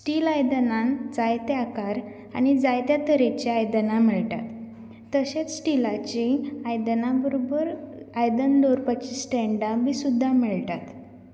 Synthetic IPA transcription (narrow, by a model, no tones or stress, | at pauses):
sʈiːlajd̪ənãnd͡zajt̪eakaɾ | a̰ñid͡zajt̪jat̪əɾet͡ɕiajd̪ənamiɭʈ̪a̰t̪ː | əɕet͡ssʈilat͡ɕĩajd̪nabəɾobəɾajd̪ənloɾpat͡ɕisʈɛɳɖamiːsud̪ʱːamiɭʈ̪at̪